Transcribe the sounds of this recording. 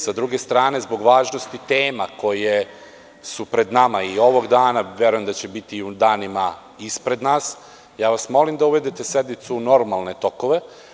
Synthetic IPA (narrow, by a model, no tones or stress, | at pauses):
sad̪ɾuɡe̞st̪ɾaːne̞zbo̞ɡʋaːʒnost̪it̪eːmako̞je | supɾe̞d̪namaio̞ʋo̞ɡd̪aːnaʋje̞ɾujemd̪at͡ɕe̞bit̪iud̪aːnima | ispɾe̞d̪naːs | jaːʋasmo̞limd̪auʋe̞d̪it̪e̞sed̪nit̪suno̞ɾmalˠne̞t̪o̞ko̞ʋe̞